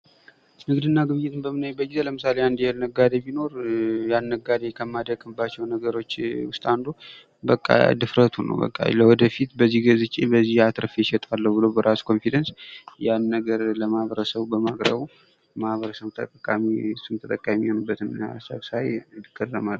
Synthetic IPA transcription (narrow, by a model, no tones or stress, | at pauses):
nɨɡd̪ɨnːaɡɨβɨɲɪt̪ɨnbəmɨnajbət̪ɡizeləmɨsaleand̪jɛhlnəɡːad̪ebino̞ɾjanːəɡad̪ekʰəmːad̪əɡʼɨmbat͡ʃːɛwnəɡəɾo̞t͡ʃːwʊst̪ʼand̪u | bəkʼːa̰d̪ɨfɾət̪ʰunə̰wbə̰kʼːa̰ləwɔd̪əfit̪bəzːihɡəzɨt͡ʃʼebəzːihat̪ɾəfɛʃɛt̪ʼalːəwbɨlowbəɾʔasu̥kʰo̞nfid̪ənsjanːəɡəɾləmahβəɾəsəβbəmakʼɾə̰βu | mahβəɾəsəβt̪ʰə̰t̪ʼəkʼamiɨsːunt̪ʰət̪ʼəkʼːajmːiho̞nɨbːət̪ɨnsə̰βsajd̪ɨkʰʼːərəmalː